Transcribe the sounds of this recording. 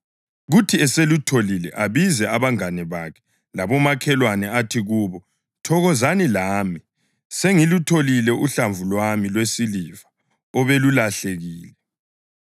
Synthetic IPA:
ɣutʰiɛselutʰolilɛʔaβizɛaβaŋanɛβakʰɛ̥ | laβɔmakʰɛlwanɛatʰiɣuːβɔ | tʰɔɣɔzanilaːmi | seŋilutʰolilɛʔuɬaɱvulwamilwesilivḁ | ɔβelulaɬeɣiːlɛ

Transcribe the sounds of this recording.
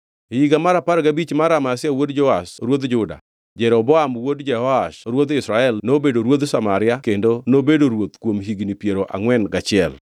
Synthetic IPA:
hiɡamaɾapaɾɡabit͡ʃmaɾamaasɪjawodd͡ʒɔasɾwod̪d͡ʒʊda̰ | d͡ʒɛɾɔbɔamwodd͡ʒɛhɔaʃɾwod̪ɪsɾaɛlnobedoɾwod̪samaɾɪakendonobedoɾwot̪kwomɦiɡnipjeɾoʔa̰ŋwɛnɡat͡ʃɪɛl

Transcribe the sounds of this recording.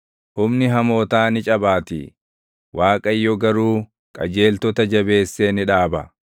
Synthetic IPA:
hʊmnɪɦɐmo̞ːt̪aːnɪt͡ʃʼɐbaːt̪ɪ̰ | waːkʼɐɪjːɔɡɐɾuː | kʼɐd͡ʒe̞ːlt̪ɔt̪ɐd͡ʒɐbe̞ːsːeːnɪᶑaːbɐ

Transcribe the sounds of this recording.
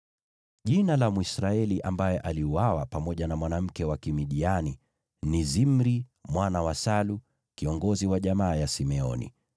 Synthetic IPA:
ʄinalamuisɾaɛliʔambajɛʔaliuwawapamɔʄanamwanam̩kɛwakimiɗiani | nizimɾimwanawasalu | kiɔŋɡɔziwaʄamaːjasimɛɔ̰nḭ

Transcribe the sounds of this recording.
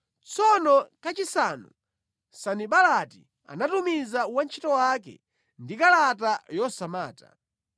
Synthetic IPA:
t͡sɔnɔkat͡ʃisanṵ | saniɓalatḭ | a̰natumizawant͡ʃʰi̥tɔwakɛ̰ | ndikalatajɔsamaːta̰

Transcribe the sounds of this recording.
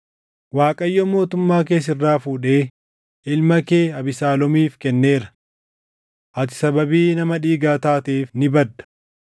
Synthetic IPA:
waːkʼɐjːoːmo̞ːt̪ʊmːaːk̬e̞ːs̬ɪrːaːfuːᶑe̞ː | ʔɪlmɐke̞ːɐbɪsaːlɔmiːfkɛnːe̞ːɾɐ̥ | ʔɐt̪ɪ̥sɐbɐbiːnɐmɐᶑiːɡaːt̪aːt̪eːfnɪbɐd̪ːɐ̥

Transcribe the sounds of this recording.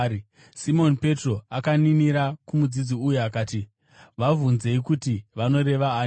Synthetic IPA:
simo̞npe̞tro̞akaniniɾakumud͡zid͡ziujuakaːti | ʋavunze̞ikutiʋano̞ɾe̞ʋaː

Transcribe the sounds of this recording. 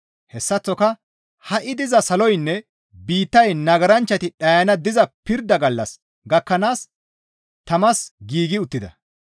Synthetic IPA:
hɛsːɐt͡sːɔkɐ | hɐʔɪd̪ɪzɐsɐlɔjnːɛ | biːt̪ːɐjnɐɡɐɾɐnt͡ʃːɐt̪ɪɗɐjɐnɐd̪ɪzɐpɪɾd̪ɐɡɐlːɐs | ɡɐkːɐnaːs | t̪ɐmɐsɡiːɡɪʊt̪ːɪd̪ɐ̰

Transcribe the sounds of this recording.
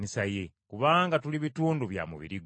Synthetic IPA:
nisaje | kuβaːŋɡatuliβituːnduβja̰mṵβḭɾiɡ

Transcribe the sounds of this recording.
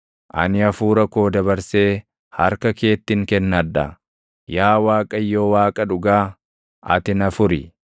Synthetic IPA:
ʔɐ̰nɪɐfuːɾɐko̞ːd̪ɐbɐɾse̞ː | hɐɾkɐke̞ːt̪ːɪŋkɛnːɐdɐ̰ | jaːwaːkʼɐjːo̞ːwaːkʼɐᶑʊɡaː | ʔɐ̰t̪ɪnɐfʊɾɪ

